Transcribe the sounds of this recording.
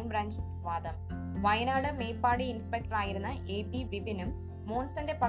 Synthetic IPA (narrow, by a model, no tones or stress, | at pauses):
nbɾaːnd͡ʑ | ʋaːd̪ɐm | ʋɐjɐnaːɽɨme̞ːpːaːɽiinspek̚ʈɐraːjiɾunːɐʔeːbiʋibinumː | o̞ːnsɐnde̞pɐ